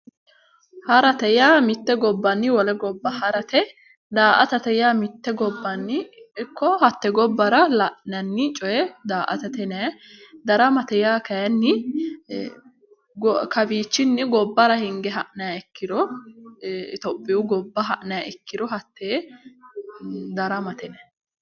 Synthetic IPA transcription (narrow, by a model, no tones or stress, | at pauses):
hɐɾɐt̪ɛjaːmɪt̪ːɛɡɔbːɐnːɪwɔlɛɡɔbːɐhɐɾɐt̪ɛ | d̪aːʔɐ̰t̪ɐt̪ɛjaːmɪt̪ːɛɡɔbːɐnːɪɪkʰːɔhɐt̪ːɛɡɔbːɐɾɐlɐʔnɐnːɪt͡ʃʼɔjɛd̪aːʔɐ̰t̪ɐt̪ɛnɛj | d̪ɐɾɐmɐt̪ɛjaːkɐjɐnːɪ | ɡɔkɐbiːt͡ʃːɪnːɪɡɔbːɐɾɐhɪŋɡɛɦɐʔnɐjɐɛkːɪd̪ɔ | t̪ɔbːɪjʊɡɔbːɐɦɐʔnɐjaʔɛkʰːɪd̪ɔɦɐt̪ːeː | d̪ɐɾɐmɐt̪ɛnɛ